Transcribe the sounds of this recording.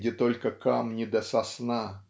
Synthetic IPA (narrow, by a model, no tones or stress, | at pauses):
dʲɪt̪olʲkəkamnʲɪd̪əsɐsna